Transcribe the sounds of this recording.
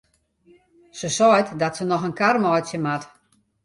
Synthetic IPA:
səsɔjtdɔtsənɔxənkarmɔjtsjəmat

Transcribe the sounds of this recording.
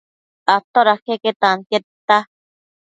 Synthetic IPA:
at̪oɾakeket̪anket̪ːa

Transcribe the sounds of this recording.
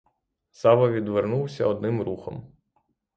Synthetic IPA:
sɑʋɐʋʲid̪ʋeɾnuwsʲɐ̰ɔd̪nɪmɾuxɔ̰m

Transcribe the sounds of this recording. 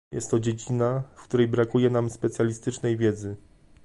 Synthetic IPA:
jɛ̰st̪ːɔd͡ʑed͡ʑinafkt̪uɾɛjbɾakujɛnamspɛt̪sʲjalʲist̪ɘt͡ʂnɛjvʲjɛd̪zɘ

